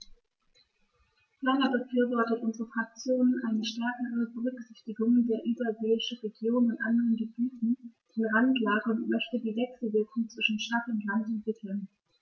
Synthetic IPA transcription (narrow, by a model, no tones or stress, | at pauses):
fanɐbəfyːɐvɔɐtətʔʊnzəʁəfʁ̥ak̚t͡sjoːnənʔaɪnəʃtɛɐkəʁəbəʁʏksɪçtɪɡʊŋdeːɐʔyːbɐzeːɪʃn̩ʁeɡjoːnnʊntʔandəʁənɡəbyːtn̩d̥ɪnʁantlaːɡəʊntmœçtədiːvɛksl̩vɪɐkʊŋt͡sv̥ɪʃn̩ʃtaχʊntlantʊntmɪtʰlən